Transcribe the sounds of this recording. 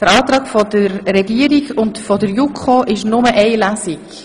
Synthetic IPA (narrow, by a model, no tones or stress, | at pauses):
d̥əɾɑːt̪ɾɑːkfɔdəɾːɛɡiəɾiɡʊndfɔdəɾjukʰoʔɪʃnʊməʔɛɪlæsik